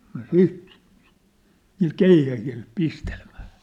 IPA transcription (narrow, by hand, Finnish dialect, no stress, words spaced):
nŏ siːt niːl keihæhil pistelĕm̥æ̥ː